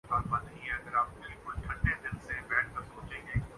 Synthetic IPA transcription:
baːɾbanɐɦĩɦɛɐɡəɾaːp̚kɪɪkʊlʈʰɐʈːed̪ɪnsebɛːʈ̚ʰkɐɾsoːt͡ʃẽːŋɡeː

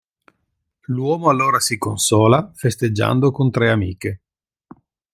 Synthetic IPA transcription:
lwɔːmoalːoːɾasikonsɔːlafest̪ed͡ʒːa̰nd̪okont̪ɾɛamḭːke

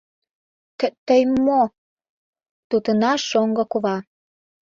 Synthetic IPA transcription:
t̪ət̪əjmːo | t̪ut̪ənɑʃoŋɡɤ̆kuβɑ

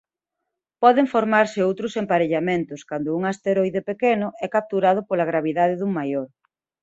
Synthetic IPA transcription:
pɔðeŋfoɾmaɾsɪowt̪ɾʊsempaɾeʎamẽnt̪ʊskand̪ʊuŋast̪eɾɔjðepekenʊʔɛkap̚t̪uɾað̞ʊpolaɣ̞ɾaβ̞iðaðɪðuŋmajoɾ

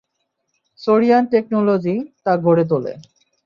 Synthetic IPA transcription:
soɽijanʈek̚nolod͡ʑit̪aɡʱoɾet̪̬olḛ

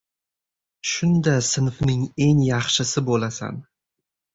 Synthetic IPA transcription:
ʃʊnd̪asɪnfnɪŋe̞ŋjɑχʃɪsɪbolasa̰n

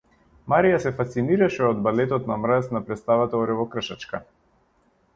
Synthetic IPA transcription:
maɾijasɛfast̪siniɾaʃɛɔd̪balɛt̪ɔt̪namɾasnapɾɛt̪st̪avat̪aɔɾɛvɔkr̩ʃat͡ʃka

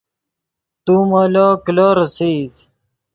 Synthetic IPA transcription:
t̪umoːlokloːɾsiːd̪

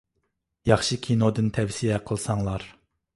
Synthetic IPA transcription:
jɑχʃikʲʰinod̪ɨnt̪ʰɛwsijɛqʰəlˠsɑŋlˠɑɾ

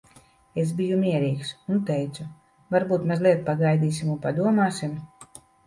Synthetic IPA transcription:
es̬bijumiɛɾiːksunt̪ɛjt̪su | vaɾbuːt̪mazlˠiɛt̪paɡajd̪iːsimunpad̪uɔmaːsim

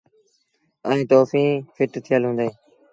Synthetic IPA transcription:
əĩːt̪oːfĩːfɪʈt̪ʰɪjəlɦũːnd̪eː

